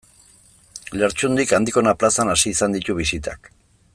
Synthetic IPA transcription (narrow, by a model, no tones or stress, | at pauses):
le̞ɾt͡ʃund̪ikand̪iko̞naplasanasiːsand̪it̪uβ̞isit̪a̰k